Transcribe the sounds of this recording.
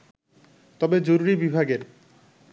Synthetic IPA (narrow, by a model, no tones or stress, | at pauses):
t̪ɔbed͡ʑoɾuɾibibʱaɡeɾ